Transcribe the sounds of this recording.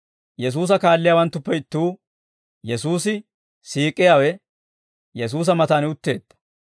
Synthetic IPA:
jɛs̬uːs̬ɐkaːlːɪjawɐnt̪ːʊpːɛɪt̪ːuː | jɛsuːsɪ | siːkʼːɪjaːwɛ | jɛs̬uːs̬ɐmɐt̪aːnʊt̪ːe̞ːd̪̥ːɐ̥

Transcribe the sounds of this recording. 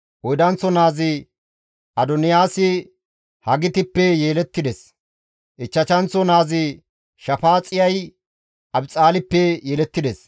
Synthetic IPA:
ʔɔjd̪ɐnt͡sːɔnaːzɪ | ʔɐd̪ɔnɪjaːsɪ | hɐɡɪt̪ɪpːɛjeːlɛt̪ːɪd̪ɛs | ʔɪt͡ʃːɐt͡ʃɐnt͡sːɔnaːzɪ | ʃɐfaːt͡sʼɪjɐj | ʔɐbt͡sʼaːlɪpːɛjɛːlɛt̪ːɪd̪ɛs

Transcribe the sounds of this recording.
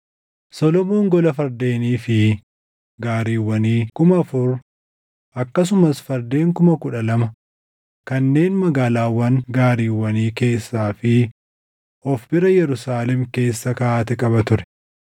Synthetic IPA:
sɔlɔmoːŋɡɔlɐfɐɾd̪e̞ːniːfɪ | ɡaːɾiːwːɐniːkʊmɐɐfʊɾ | ʔɐkːɐs̬ʊmɐsfɐɾd̪e̞ːŋkʊmɐkʊᶑɐlɐmɐ | kɐnːe̞ːnmɐɡaːlaːwɐŋɡaːɾiːwːɐniːke̞ːsːaːfɪ | ɔfbɪɾɐjɛɾʊsaːlɛmke̞ːsːɐkaʔaːt̪ɛkʼɐbɐt̪ʊɾɛ̥

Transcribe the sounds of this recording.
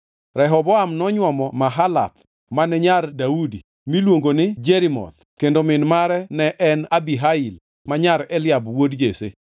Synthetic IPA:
ɾɛɦɔbɔamnɔɲwɔmɔmaɦala̰t̪̚ | manɛɲardaudi | milwoŋɡonɪd͡ʒeɾimɔ̰t̪ | kendomɪnmaɾɛnɛʔɛnabiɦaɪl | maɲaɾɛlɪabwodd͡ʒesḛ

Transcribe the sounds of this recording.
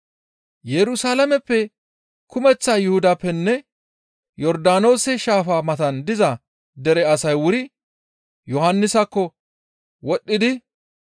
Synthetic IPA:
jɛɾʊsaːlɐmɛpːɛ | kʊmɛt͡sːaːjʊhʊd̪apːɛnːɛ | jɔɾd̪aːno̞ːsɛʃaːfaːmɐt̪ɐnd̪ɪzɐ | d̪ɛɾɛɐsɐjwʊɾɪ | jɔhɐnːɪsɐkːɔ | wɔɗːɪd̪ɪ

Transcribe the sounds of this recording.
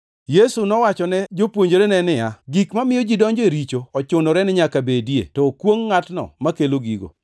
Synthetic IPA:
jesunɔwat͡ʃɔnɛd͡ʒopwoɲd͡ʒoɾenɛnɪjaɡikmamɪjɔd͡ʒidɔɲd͡ʒeɾit͡ʃoɔt͡ʃʊnoɾɛnɪɲakabedjḛtɔkwoŋːatnɔ̰makeloɡḭɡo̰

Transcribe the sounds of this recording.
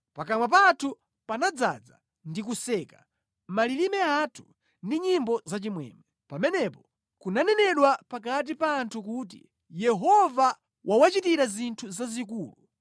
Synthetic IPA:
pakamwap̬atʰu | panad͡za̰d͡za | ndik̬usɛkḁ | malilimɛatʰu̥ | ndiɲimbɔzat͡ʃimwɛ̰ːmɛ | pamɛnɛpɔ | kunanɛnɛɗwapak̬at̬ipaːntʰukuːt̬ḭ | jɛɦɔva | wʔawat͡ʃitiɾazintʰuzazik̬uːlu

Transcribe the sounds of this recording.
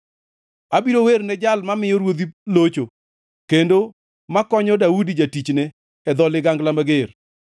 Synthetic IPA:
abiɾowernɛd͡ʒalmamɪjɔɾwod̪ilot͡ʃo | kendo | makɔɲɔdaudid͡ʒatit͡ʃnɛ | ɛd̪ɔlɪɡaŋɡlamaɡer

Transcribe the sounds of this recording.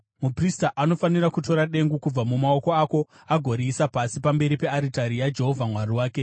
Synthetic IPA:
mupristaʔano̞fanirakuto̞ɾaɗe̞ŋɡukub͡vamumao̞ko̞ako̞ | aɡʱo̞ɾiːsapasipambe̞ɾipe̞aɾitaɾijad͡ʒe̞ɦo̞vʱamwariwaːke̞

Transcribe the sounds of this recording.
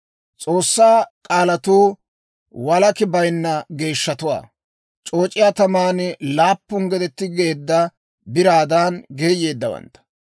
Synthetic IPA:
t͡sʼo̞ːsːaːkʼaːlɐt̪uː | wɐlɐkɪbɐjnːɐɡe̞ːʃːɐt̪ʊwa̰ː | t͡ʃʼo̞ːt͡ʃʼːɪjaːt̪ɐmaːnlaːpːʊŋɡɛd̪ɛt̪ːɪɡe̞ːd̪ːɐ | bɪɾaːd̪aːnɡe̞ːje̞ːd̪ːɐwɐ̰nt̪ːɐ̥

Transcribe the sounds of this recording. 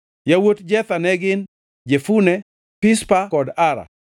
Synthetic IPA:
jawotd͡ʒɛt̪anɛɡɪn | d͡ʒefunɛ | pɪspakɔdaɾa̰

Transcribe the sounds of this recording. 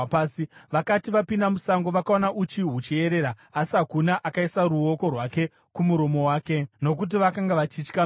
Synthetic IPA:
siʋakatiʋapindamusaŋɡo̞ʋakaonaʔut͡ʃiɦut͡ʃie̞ɾe̞ɾaːsiɦakunaʔakaisaɾuo̞ko̞rwake̞ | kumuɾo̞mo̞waːke̞no̞k̬ut̬iʋakaŋɡaʋat͡ʃit͡ʃka

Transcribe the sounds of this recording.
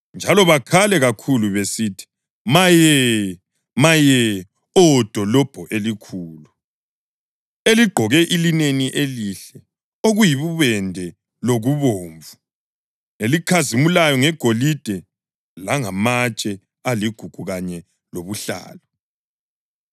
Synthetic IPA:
nd͡ʒʱalɔβakʰalɛɣakʰuluβesitʰi̥ | majɛ | majɛ | ɔd̥ʱɔlɔb̥ʱɔʔelikʰuːlu | eliɡ͡ǃʱɔɣɛʔilineniʔeliɬɛ | oɣujiβuβɛndʱɛ | loɣuβoːɱvu | elikʰazimulajɔŋɛɡ̥ʱolid̥ʱɛ | laŋamat͡ʃʼɛ | aliɡ̥ʱuɡ̥ʱuɣaɲɛ | loβuɬa̰ːlɔ

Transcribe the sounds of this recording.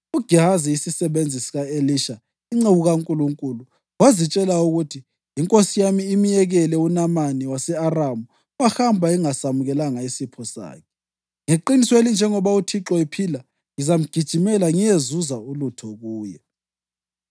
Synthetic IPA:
uɡ̥ʱiɦaziisisɛβend͡zʱisiɣaeliʃa | iŋ͡ǀeβuɣaŋkʼuluŋkʼulu | wazit͡ʃʼɛlauɣutʰi | iŋkʼosijamiːmijɛɣɛlɛunamaniwasɛaramu | wahambʱaiŋasamuɣɛlaŋaisipʰɔsa̰ːkʰɛ̥ | ŋeǃinisɔelind͡ʒʱɛŋɔβautʰiǁɔipʰila | ŋizam̩ɡ̥ʱid̥ʒ̥ʱimɛlaŋijezuzaulutʰɔɣuːjɛ

